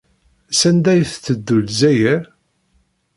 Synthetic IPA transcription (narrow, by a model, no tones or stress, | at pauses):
sænd̪æjθt͡sːəd̪ːulzæjəɾ